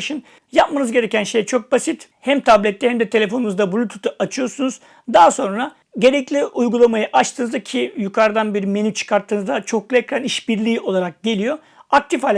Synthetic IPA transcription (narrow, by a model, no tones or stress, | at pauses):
ʃɯn | jap̚manɯzɟe̞ɾe̞cʰʲænʃe̞jt͡ʃʰo̞k̚basit̪hæmt̪ʰablʲɛt̪ːɛhæmd̪ɛt̪ʰe̞lʲe̞fo̞nunuzd̪abulʲut̪ʰu̥t̪ʰaʔat͡ʃʰɯjo̞ɾsunuz̥ | d̪aɦaso̞nɾa | ɟe̞ɾɛclʲiʔujɡulˠamajɯʔat͡ʃt̪ʰɯːnzacʰijukʰaɾd̪anbiɾme̞nyt͡ʃʰɯ̥kʰaɾt̪ʰːɯːnɯzd̪at͡ʃʰo̞klˠɛcɾaniʃbiɾlʲiːo̞lˠaɾak̚ɟe̞lʲijo̞ | ak̚t̪ʰifhalʲ